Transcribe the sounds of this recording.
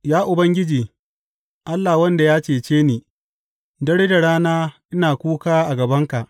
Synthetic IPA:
jaː˦ʔʊ˨bɐ˦ŋɡʲɪ˦d͡ʒiː˨ | ʔa˦lːa˨wɐ˦nda˨jaː˦t͡ʃeː˨t͡ʃeː˦niː˨ | dɐ˦ɽeː˦da˨ɽaː˦naː˦ʔɪ˦naː˨kʷuː˦kaː˦ʔa˨ɡɐ˨bɐ˦ŋka˨ʔ

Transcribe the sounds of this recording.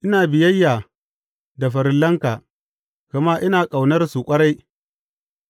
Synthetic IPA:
ʔɪ˦naː˨bɪ˨jɐ˦jːaː˨ | da˨ɸɐ˨ɾɪ˨lːɐ˦ŋkaː˨ | kɐ˨maː˦ʔɪ˦naː˨kʼa˨wnɐ˦rsu˨kʷʼɐ˦ɽa˦j

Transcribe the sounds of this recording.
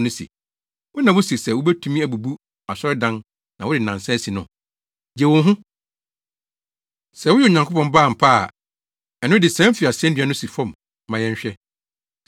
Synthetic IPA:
nʊ̃˦sḭ˨ | wʊ˦nã˨wʊ˦si˨ɾsɛ˨wʊ˦bæ˦tʰu˦mĩ˦æ˨bu˨bu˦ | a˨sɔ˦ɾɛ˦dã˦n | nã˨wʊ˦dɪ˨nã˨n˨sɛ̃˦si˨nʊ̃˨ | d͡ʑɛ˨wʊ̃˨n˦ɦʊ̃˦ | sɛ˨wʊ˦jɛ˦˨ɲã˨ŋkʰo˦pʰɔ̃˨mbaː˦˨m̩˨pʰa˦˨ | ɛ˨nʊ̃˦dɪ˨sɛ̃˦m˦fɪ˨a˨sɛ̃˦n˦dɥa˦nʊ̃˦si˨fɔ̃˦˨m˦ | mã˨jɛ̃˦ɲ˦ɕᶣɛ˦

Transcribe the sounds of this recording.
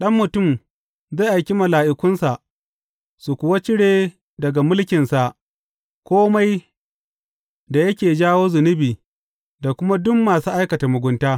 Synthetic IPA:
ɗɐ˦mːʊ˨tʊ˦˨m | za˦˨ʔa˨jkʲi˦mɐ˨laː˨ʔɪ˨kʷʊ˦nsa˨ʔ | su˨kʷʊ˨wa˦t͡ʃɪ˦ɽeː˨ | dɐ˨ɡa˨mʊ˦lkʲɪ˨nsa˨ʔ | kʷoː˦ma˦j | da˨jɐ˦kʲeː˨d͡ʒaː˦woː˦zʊ˨nɪ˦biː˨ | da˨kʷʊ˦ma˦dʊ˦mːaː˨suː˦ʔa˦jkɐ˨ta˨mʊ˨ɡʷʊ˦ntaː˦

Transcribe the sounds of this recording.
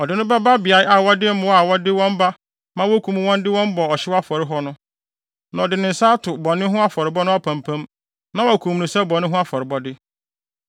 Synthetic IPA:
ɔ˨dɪ˨nʊ̃˦ba˦ba˦bɪ˨a˨ɪ˦a˨wɔ˦dɪ˦mʊ̃˦wa˨wɔ˦dɪ˦wɔ̃˦mba˦ | mã˦wo˦kʰũ˨m̃˨˦wɔ̃˦ndɪ˦wɔ̃˦mbɔ˨ɔ˨ɕɪ˦wa˦fɔ˨ɾɪ˦ɦɔ˦nʊ̃˦ | nã˨ɔ˨dɪ˨nɪ̃˨n̩˨saː˦tʰʊ˨bɔ˨nɪ̃˦ɦʊ̃˦a˦fɔ˨ɾɪ˨bɔ˦nʊ̃˦a˦pʰã˨mpʰã˦m | nã˦wɔ˨a˨kʰũ˨m˨nũ˨sɛ˦bɔ˨nɪ̃˦ɦʊ̃˦a˦fɔ˨ɾɪ˨bɔ˦dɪ˦

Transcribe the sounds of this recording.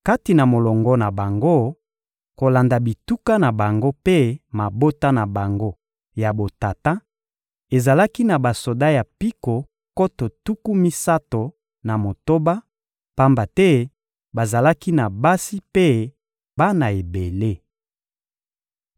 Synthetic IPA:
ka˦ti˨na˨mo˨lɔ˨ŋɡɔ˦na˨ba˨ŋɡo˦ | ko˨la˨nda˨bi˨tu˦ka˦na˨ba˨ŋɡo˦pe˦ma˨bo˦ta˦na˨ba˨ŋɡo˦ | ja˨bo˨ta˨ta˦ | e˨za˨la˦ki˦na˨ba˨so˨da˦ja˨pi˦ko˨ | ko˦to˨tu˦ku˦mi˦sa˦to˨ | na˨mo˨to˦ba˦ | pa˦mba˨tɛ˦ | ba˨za˨la˦ki˦na˨ba˦si˦pe˦ | ba˦na˨e˨be˨le˦

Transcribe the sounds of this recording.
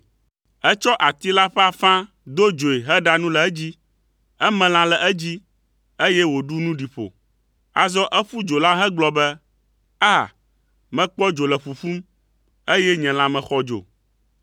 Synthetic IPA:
ɛ˦t͡ʃɔ˦ʔa˨t̪i˦la˦ɸɛ˦a˨fã˦ | d̪o˦d͡ʒo˨e˨ɦɛ˦ɖa˦nũ˦lɛ˨˦d͡ʑi˦ | ɛ˦mɛ̃˨l̃ã˨lɛ˨ʔɛ˦d͡ʑi˦ | e˦jɛ˦wo˨ɖu˦nũ˦ɖi˨ɸo̰˨ | a˨zɔ˦ʔɛ˦ɸu˦d͡ʒo˨la˦ɦɛ˦ɡ͡blɔ˦bɛ˦ | a˦˨ | mɛ̃˨k͡pɔ˦d͡ʒo˨lɛ˨ɸu˨ɸu˦m | e˦jɛ˦ɲɛ̃˨l̃ã˨mɛ̃˨xɔ˦d͡ʒo̰˨

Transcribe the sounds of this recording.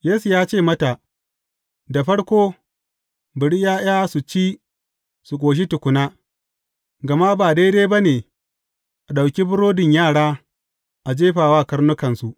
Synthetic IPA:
jeː˦su˨jaː˦t͡ʃeː˦˨mɐ˦ta˨ʔ | da˨ɸɐ˦ɽkʷoː˦ | bɪ˨ɽi˦jaː˦j̰aː˦su˨t͡ʃiː˦ | su˨kʷʼoː˨ʃ̬i˦tʊ˨kʷʊ˨naː˦ | ɡɐ˨ma˦baː˨de˦deː˦ba˦neː˨ | ʔa˨ɗa˨wkʲi˦bʊ˦ɽoː˦dɪ˨ɲjaː˦˨ɽaː˦ | ʔa˨d͡ʒeː˦ɸaː˨waː˦˨kɐ˦ɾnʊ˦kɐ˨nsu˨ʔ

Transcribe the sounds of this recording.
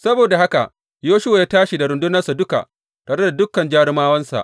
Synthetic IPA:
sɐ˦boː˨da˨ha˦ka˨ʔ | joː˦ʃʊ˦wa˨jaː˦taː˦ʃi˨da˨ɾʊ˨ndʊ˦nɐ˦rsa˨dʊ˦ka̰˨ʔ | taː˨ɽe˦da˨dʊ˦kːɐ˨nd͡ʒaː˦ɽɪ˦maː˦wɐ˦nsa̰˨ʔ

